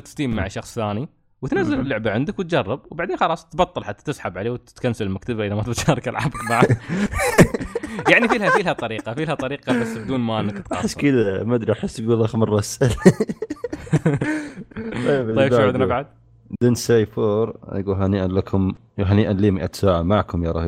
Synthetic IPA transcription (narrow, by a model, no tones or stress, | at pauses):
t̪ɪ̥st̪iːmmaʕaʃɑxsˤθaːni | wɪt̪nazːɪlɪlːʊʕbaʕɪnd̪akwɪt̪̚d͡ʒɑrˤːɑb̚wbaʕd̪eːnxɑlɑːsˤt̪bɑt̪ˤːɨlħat̪ːḁt̪ɪsħabʕaleːwt̪ɪ̥t̪kansalmakt̪abaʔɪðamat̪t̪ʃɑːɾˤɑkɪlʕa̰bakmaʕa | jaʕnifiːlhafilhat̪ˤɑɾiːqɑfilhat̪ˤɑɾiːqɑbasːbɪd̪uːnmaʔɪnːakt̪aɑħɪsːkɪd̪amad̪ɾiʔaħɪsːɡuːlaxmɪrˤːɑsʔal | t̪ˤɑjːbaˤjːbʃaaʕad̪nabaʕad̪̚ | d̪ɪnsajfuːɾ̰ˤjɡuːlɦaniʔanlakʰʊm | ɦaniʔanliːmɪʔat̪saːʕamaʕkʊmjɑɾˤɑ̰h